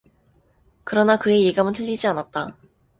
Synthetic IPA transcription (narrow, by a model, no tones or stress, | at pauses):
kɯɾʌnakɯe̞jeɡamɯntʰɯʎːid͡ʑianat̚t͈a